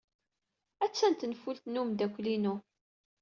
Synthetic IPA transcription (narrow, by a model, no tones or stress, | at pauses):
æt͡sːænt̪nfult̪numd̪ækʷːlinu